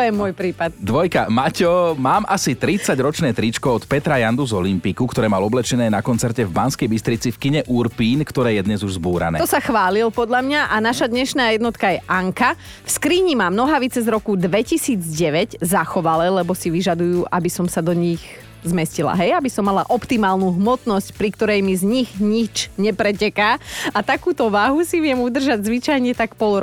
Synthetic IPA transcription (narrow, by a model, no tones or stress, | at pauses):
t̪ɔjɛmʊɔjpɾiːpat̪̚d̪ʋɔjkamacɔmaːmʔasit̪ɾit͡saɟɾɔt͡ʃnɛːt̪ɾit͡ʃkɔɔt̪pɛt̪ɾajand̪uzɔlimpikukt̪ɔɾɛːmalɔblɛt͡ʃɛnɛːnakɔnt͡sɛɾcɛvbanskɛjbist̪ɾit͡sifkiɲɛʔuɾpiːnkt̪ɔɾɛːjɛd̪ɲɛzuʒzbuːɾa̰nɛːt̪ɔsaxʋaːlilpɔd̪ʎamɲaʔanaʃad̪ɲɛʃnaːjɛd̪nɔt̪kajɛʔaŋka | fskɾiːɲimamnɔɦaʋit͡sɛzɾɔkud̪ʋɛcisiːd͡zɟɛʋɛɟzaxɔʋalɛlɛbɔsiʋiʒad̪ujuːʔabisɔmsad̪ɔɲix | zmɛscila̰ɦɛjabisɔmːala̰ʔɔpt̪imaːlnuːɦmɔt̪nɔscpɾikt̪ɔɾɛjmizɲiɣɲit͡ʃɲɛpɾɛcɛkaːat̪akuːt̪ɔʋaɦusiʋɪɛmud̪r̩ʒaɟzʋit͡ʃajɲɛt̪akpɔl